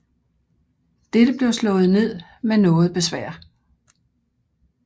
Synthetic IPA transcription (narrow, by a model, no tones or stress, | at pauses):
d̥ed̥əb̥le̝ʊslɔ̽ːð̩ˠne̝ð̞̰ˠmenɔ̽ːð̩ˠb̥e̝sʋæɐ̰